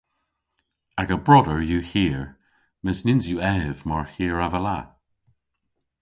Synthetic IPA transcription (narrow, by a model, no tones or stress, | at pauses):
aɡəbɹɔdəɹjuhiəɹ | mɪsnɪnzjuɛvmaɹhiːəɹavəla̰